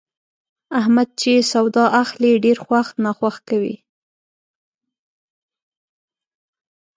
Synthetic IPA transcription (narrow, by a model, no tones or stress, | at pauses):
ahmad̪̚t͡ʃesawd̪ɑʔaxleɖeɾxwaxnɑxwaxkawḭ